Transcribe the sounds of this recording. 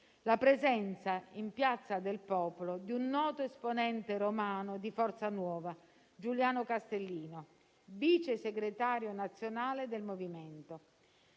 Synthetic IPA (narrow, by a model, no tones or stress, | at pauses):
lapɾezɛnt̪saimpjat̪sːad̪elpɔːpolod̪iunːɔːt̪oesponɛnt̪eɾomaːnod̪ifɔrt̪sanwɔːva | d͡ʒuljaːnokast̪elːiːno | viːt͡ʃeseɡɾet̪aːɾjonat̪sːjonaːled̪elmoviment̪o